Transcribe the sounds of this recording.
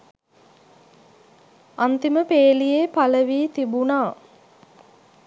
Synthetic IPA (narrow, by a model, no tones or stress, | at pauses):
ant̪iməpeːlijepaləʋiːt̪ibunaː